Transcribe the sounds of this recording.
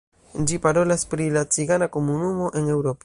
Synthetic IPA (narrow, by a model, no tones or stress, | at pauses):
d͡ʒipaɾolaspɾilat͡siɣanakomunumoʔeŋewɾopa